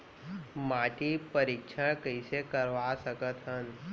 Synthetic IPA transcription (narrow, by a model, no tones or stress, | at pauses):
maːʈipəɾikʃʰakəisekəɾʋasəkət̪ɦən